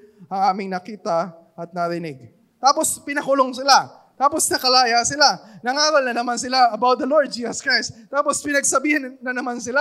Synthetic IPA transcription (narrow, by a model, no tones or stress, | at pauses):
ʔɐŋaːmɪŋnɐkiːt̪ɐ | ʔɐt̪̚nɐɾɪnɪɡ̚ | t̪aːpo̞spɪnɐkʊloŋsɪla | t̪aːposnɐkɐlaːjasɪlanɐŋaːɾɐlnɐnɐmans̬ɪlaɐbawt̪̚d̪ɐloɹd̪̚d͡ʒiːsɐskɹajst̪̚t̪ːaːpo̞spɪnɐɡsɐbiːhɐnnɐnɐmans̬ɪla